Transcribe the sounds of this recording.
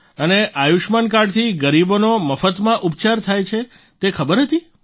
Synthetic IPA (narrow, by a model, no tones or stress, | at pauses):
əneʔajuʃmankaɽt̪ʰiɡəɾibonoməfət̪mãʔupt͡ʃaɾt̪ʰajt͡ʃʰe | t̪ekʰəbəɾɦət̪i